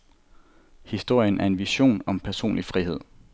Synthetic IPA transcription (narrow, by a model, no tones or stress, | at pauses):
hisd̥o̝ɐ̰jənʔæɐe̝nʋiɕo̝̰ːnɒ̽mpʰæɐso̝̰ːnlifʁihe̝ð̞̰ˠ